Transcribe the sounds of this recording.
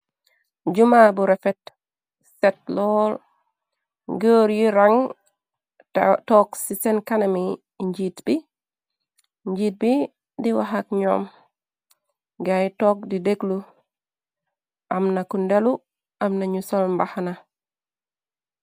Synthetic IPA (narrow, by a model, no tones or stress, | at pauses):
ɟumabuɾefet | set̚lɔːl | ɡəːɾjiɾaŋ | toksisenkanami | ɲɟiːtb̥i | ɲɟiːt̚bi | diwaɦak̚ɲo̰m | ɡajtoːk̚dideɡlu | ʔamnakundelu | amnaɲusolmbahana